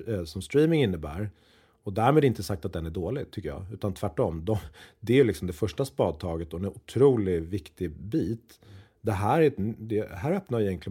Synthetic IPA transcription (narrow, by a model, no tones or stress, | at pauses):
sɔmst̪ɾiːmɪŋɪnːəbæ̰ːɾ | ɔd̪æɾmeːd̪ɪnt̪əsak̚t̪at̪̚d̪ɛnæɖoːlɪɡt̪ʰʏkːəjɑ̰ːʉ̟ːt̪ant̪ʰvæʈːɔmd̪ɔd̪ɛjɵlɪksɔmd̪ɛfœʂʈaspɑːd̪̚t̪ʰɑːɡət̪ɔɛnʊt̪ʰɾuːlɪvɪkt̪ɪbiːt̪ | d̪ɛɦæːɾɛd̪ɛɦæːɾœpnaɾɪjɛŋkʰlɪ